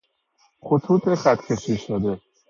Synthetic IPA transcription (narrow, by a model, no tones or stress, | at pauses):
χot̪ʰuːt̪ʰeχæt̪kʰeʃiʃod̪e